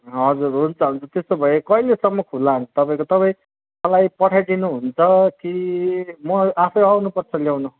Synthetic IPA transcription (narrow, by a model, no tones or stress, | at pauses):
ɦʌd͡zurɦunt͡sʰʌɦunt͡sʰʌt̪est̪obʱʌjekʌilesʌmːʌkʰulːant̪ʌpaĩkot̪ʌpaĩ | mʌlajpʌʈʰajd̪inuɦunt͡sʰʌkimʌapʰʌjawnupʌrt͡sʰʌljawnu